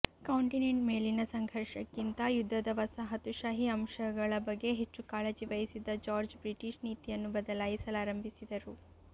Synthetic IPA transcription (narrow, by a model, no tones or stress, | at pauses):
kɐwɳʈineɳʈmeːlinɐsɐŋɡʱɐɾʂɐkːint̪ɐjud̪ʱːɐd̪ɐʋɐsɐɦɐt̪uʃaːɦiɐmʃɐɡɐɭɐbɐɡːe̞ɦet͡ʃːukaːled͡ʒiʋɐjisid̪ɐd͡ʒaːɾd͡ʒbɾiʈiʃniːt̪ijɐnːubɐd̪ɐlaːjisɐlaːɾɐmbʱisid̪ɐɾu